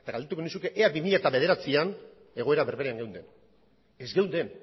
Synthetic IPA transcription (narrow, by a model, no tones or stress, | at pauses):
et̪aɡald̪et̪uko̞nisuke̞ʔeabimiʎat̪aβe̞ð̞e̞ɾat͡sian | e̞ɣo̞e̞ɾaβe̞ɾβeɾeaŋɡewnd̪e̞n | ezɡe̞wnd̪e̞n